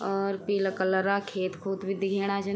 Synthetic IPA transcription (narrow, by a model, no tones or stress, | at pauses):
ɔːɾpiːləkələɾakʰeːt̪kʰud̪bʱid̪ɪɡʱeːɽ̃ad͡ʒɐ